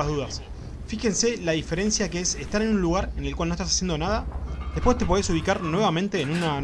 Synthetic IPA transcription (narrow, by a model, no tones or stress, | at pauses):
aðuðas | fixe̞nse̞laðife̞ɾe̞nsjakeesest̪aɾenũnluɣaɾenelkwalnost̪asasje̞nd̪o̞naðaðehpwe̞st̪e̞p̬oeesuβikaɾnwe̞βamẽnt̪e̞ːnuna